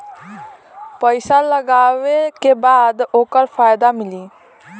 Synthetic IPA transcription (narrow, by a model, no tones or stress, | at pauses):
pəɪsaləɡaʋekebaːd̪oːkəɾpʰajd̪amɪli